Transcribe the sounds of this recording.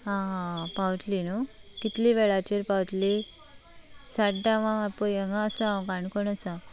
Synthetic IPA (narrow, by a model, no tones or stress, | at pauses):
ɦãɦãpawt̪lino | kit̪liʋeɭat͡ɕeɾpawt̪li | saɖãʋãʋapoeŋãsakãɳkoɳəsã